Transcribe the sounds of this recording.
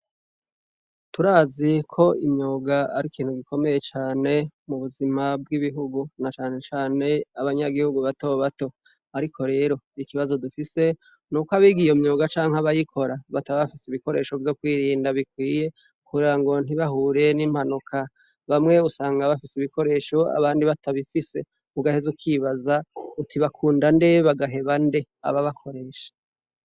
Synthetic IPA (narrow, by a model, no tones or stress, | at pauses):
tuɾaːzikʰo̞ʔimɲoːɡaaɾikiːn̥huɡikʰo̞me̞je̞t͡ʃaːne̞muβuzimabɡiβiɦuɡunat͡ʃaːne̞t͡ʃaːne̞aβaɲaɡihuɡuβato̞βato̞ | aɾikʰo̞ɾe̞ːɾo̞ikiβazo̞dufise̞ | nuːkoaβiːɡijomɲoːɡat͡ʃaːŋhaβajikʰo̞ɾaβataβaβafiseiβiko̞ɾe̞ːʃo̞vjo̞kwiːɾiːndaβikwiːje̞ | kʰuɾeɾaŋɡo̞n̥iβaɦuːɾe̞nim̥hanukʰa | βamŋe̞usaːŋɡaβafisiβiko̞ɾe̞ːʃo̞a̰βaːndiβatʰaβifise̞ | muɡahe̞zukiːβazautʰiβakʰuːndande̞βaɡaɦe̞βande̞ | a̰βaβakʰo̞ɾe̞ːʃḁ